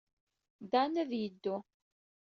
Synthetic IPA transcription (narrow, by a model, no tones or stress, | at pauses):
d̪anæðjəd̪ːu